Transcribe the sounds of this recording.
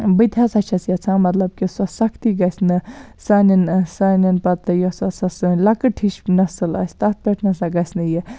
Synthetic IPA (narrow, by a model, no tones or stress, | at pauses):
bɨd̪ʲʱjasɐt͡ʃʰɐsjɐt͡sʰãmɐt̪lɐb̚kisɐsɐkʰt̪iɡɐsnɨsɐninsɐninpɐt̪ɨjɔsɐsɐsɨnlɐkɨʈʰiʃnɐsɨlɐ̰sʲt̪ɐt̪̚peʈʰnɐsaɡɐsnɨji